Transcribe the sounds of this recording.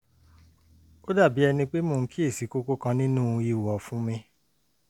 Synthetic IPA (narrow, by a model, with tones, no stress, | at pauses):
o˦da˦˨bi˨˦ɛ˧nĩ˧k͡pe˦moː˧˨n̩˦ki˦e˦˨si˨˦ko˦ko˦kã˧nĩ˦nũ˦˧i˦˨wɔ˨fũ˦mĩ˧